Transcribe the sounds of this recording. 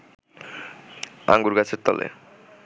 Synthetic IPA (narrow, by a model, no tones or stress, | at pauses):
a̰ŋɡuɾɡat͡ɕʰeɾt̪ɔlḛ